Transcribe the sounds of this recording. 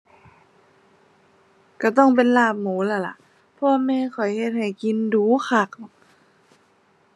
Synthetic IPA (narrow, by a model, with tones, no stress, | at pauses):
ka˧˩t̪ɔ˥˩ŋp̬e˧˨nlaː˧˩p̚muː˨˦la˧˩la̰˧˦ʔ | pʰɔ˧a˧mɛː˧kʰɔ˨˩jhe˧t̪̚ha˨˩jki˧nduː˨˦xʰa˧˩k̚n˨˩